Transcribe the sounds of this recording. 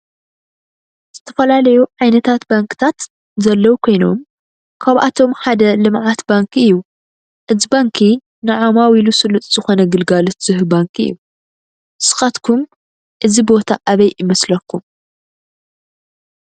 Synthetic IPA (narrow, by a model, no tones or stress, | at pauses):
z̥ɨt̪ʰɐfɐlalɐjuʕajnɐt̪ʰat̪baŋkɨ̥t̪ʰat̪ | zɐlːɐwukʰo̞jno̞̰m | kʰaβʔa̰t̪ʰo̞mħad̪ɐlɨmʕat̪baŋkʰɨjːu | ʔɨzibaŋkʰi | nɨʕomawilusɨlɨt̪ʼz̥ɨxo̞nɐɡɨlɡalot̪z̥ɨhɨbaŋkʔɨ̰jːu | sɨ̥xat̪kʰum | ʔɨzibo̞t̪ʰaʔaβɐjʔɪmɐslɐkʰːum